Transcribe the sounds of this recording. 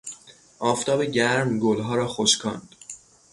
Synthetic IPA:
ʔɒːft̪ʰɒːbeɟæɾmɡolɦɒːɾɒːxoʃkʰɒ̰ːnd̪̥

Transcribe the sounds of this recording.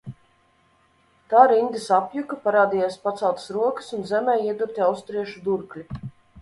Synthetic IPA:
t̪aːɾind̪ʲisapjukɐpaɾaːd̪ijaːspat̪sawˠt̪ə̥sɾuɔkə̥sunzɛmɛjiɛd̪uɾt̪ʲiawst̪ɾiɛʃud̪uɾklʲi

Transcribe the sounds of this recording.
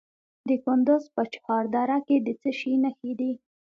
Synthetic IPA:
d̪əkʊnd̪ʊzpət͡ʃhɑɾd̪ɑɾaked̪ət͡səʃinəxid̪i

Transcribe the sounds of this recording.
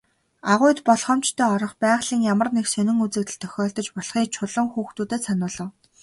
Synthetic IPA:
aʁʊːt̪pɔɮχɞ̆mt͡ɕt̪ʰœːɔɾɞ̆χpæːʁɮ̥iːŋjamə̆rneksɵnɪ̆ŋut͡sɘ̆k̚t̪ɘ̆ɮt̪ʰœ̥xʲɔːɮt̪ɞ̆t͡ɕpɔɮχiːk̚t͡ɕʰʊɮɞ̆ŋxuːxt̪uːt̪eːsanʊːɮɞ̆w

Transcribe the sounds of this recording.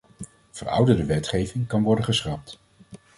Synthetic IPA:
v̥ərʌ̰wdədəʋɛtχejvɪŋkɑnʋɔɹdəχəsχɑp̚t

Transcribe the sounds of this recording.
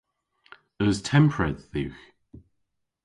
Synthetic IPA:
əztʰɛ̃mpʰɹɛd̪θʉːx

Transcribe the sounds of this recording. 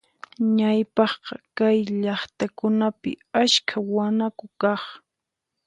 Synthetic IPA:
ɲajpɑχqɑkajʎɑχt̪akʊnapɪ̰askʰawanakʊkɑχ

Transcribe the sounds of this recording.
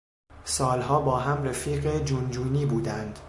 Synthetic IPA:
sɒːlɦɒːbɒːɦæmrefiːɢed͡ʒund͡ʒuːniːbuːd̪ænd̪̥

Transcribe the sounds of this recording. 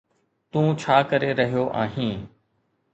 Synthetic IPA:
t̪ũːt͡ɕʰaːkəɾeɾɐɦijoʔa̰ːɦĩː

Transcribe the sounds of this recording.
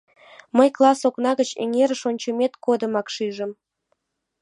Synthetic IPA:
məjklˠɑsoknɑɣət͡ɕḛŋeɾəʃonʲt͡ɕə̆mʲet̪kod̪ə̆mɑkʃiʒə̆m

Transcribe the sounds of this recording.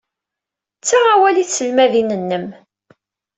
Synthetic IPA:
t͡sːaʁawæliθsəlmæðinənːəm

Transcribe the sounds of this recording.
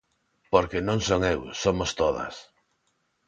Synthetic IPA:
poɾkenõŋsoŋewsomost̪oðɐ̰s

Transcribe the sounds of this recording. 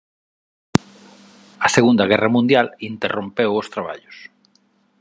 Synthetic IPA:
ɐseɣund̪ɐɣɛrɐmũnd̪jalint̪erompewost̪ɾaβa̰ʎʊs

